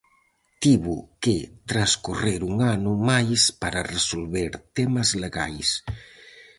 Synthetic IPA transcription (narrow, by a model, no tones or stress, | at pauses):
t̪iβuket̪ɾaskureɾuŋanumajspaɾaresolβeɾt̪ɛmazleɣa̰js